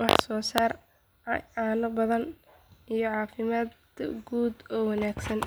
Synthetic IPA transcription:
wɑ̰ħsɔːsaːr | ʕɑːnʊbɐðɐn | ʔijɞʕɑːfɪmaːd̪ | ɡuːd̪ɔːwɑnaːɡsɐn

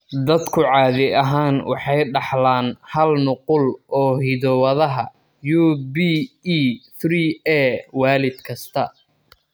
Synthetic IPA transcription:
d̪ɐd̪kʰʊʕɑːðɪɐɦaːnwʔɑ̰ħɑjɖɑħlaːnhɐlnʊqʊlʔɔːɦiðɔwɐðɐɦɐ | juːbiː | t̪riːɛːwaːlɪd̪kʰɐst̪ʰɐ

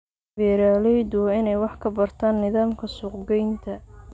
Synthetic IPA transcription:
bɛːɾaːlɛjd̪ʊɪnɛjwɑħkʰɐbɐrt̪ʰaːnːɪðaːmkʰɐsʊqɡɛjnt̪ʰɐ

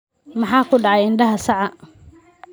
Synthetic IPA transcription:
mɑħɑːkʰʊɖɑʕɑjɪnɖɐɦɐsɑʕɑ

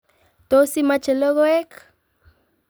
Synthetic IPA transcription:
t̪osimat͡ʃeloɣoek

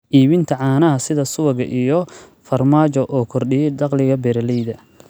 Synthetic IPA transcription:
ʔiːβɪnt̪ʰɐʕɑːnɐɦɐsɪðɐsʊwɐɣɐ̰ʔijɔ | fɐrmaːt͡ʃɔʔɔːkʰɔrɖɪjɛɖ̪ɑqlɪɣɐbɛɾɐlɛjðɐ

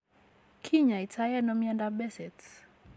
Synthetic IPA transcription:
kʰiɲaitʰajanɔmiandabɛsɛt

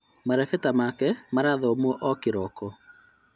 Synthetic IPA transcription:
maɾɛfɛtamakɛmaɾaðɔmwɔʔɔkeɾɔkɔ

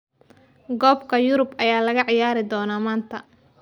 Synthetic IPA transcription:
ɡɔːbkʰɐjʊɾʊbʔɐjaːlɐɣɐʕɪjaːɾɪd̪ɔːnaːmaːnt̪ʰɐ

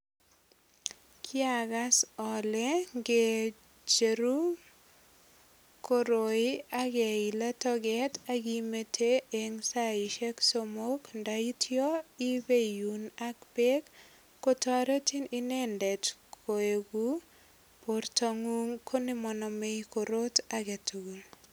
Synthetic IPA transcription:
kʰɪaɡasɔleŋɡe | d͡ʒeɾu | koɾoɪaɡeilatɔɡɛtaɡimetʰeeŋsaiʃeksomokndaitʰjɔibejunakbekː | otɔɾetininɛndɛtkʰoeɡu | portaŋuŋkʰonimɔnɔmekoɾotaɡetuɡul

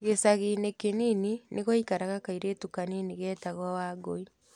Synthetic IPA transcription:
ɣesaɣinekenininʔeɣɔikaɾaɣakaiɾetukaniniɣɛtaɣwawaɡoi

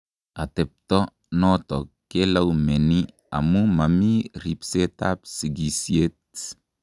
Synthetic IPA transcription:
atɛp̚tɔ | nɔtɔkːelawmeni | a̰mumamiripseta̰p̚siɡisiet

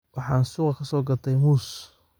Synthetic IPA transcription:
wʔɑħɑːnsuːqɑkʰɐsɔːɡɐt̪ʰɛjmuːs

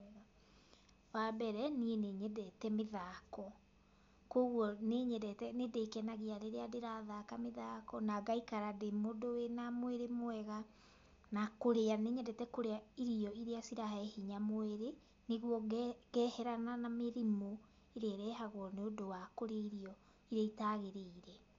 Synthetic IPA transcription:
wabɛɾɛnieneɲɛdɛtɛmeðaːkɔ | koɣwɔneɲɛdɛtɛnedeːkɛnaɣiaɾeɾeadeɾaðakameðaːkɔnaɡaikaɾademodowenamoeɾemoɛɣa | nakoɾeaneɲɛdɛtɛkoɾeaiɾiɔiɾeasiɾaɦɛhiɲamoeɾe | neɣwɔɣɛːhɛɾananameɾimo | eɾeɛɾɛːɦaɣwɔneodowakoɾeiɾiɔ | iɾaitaɣeɾeiɾɛ

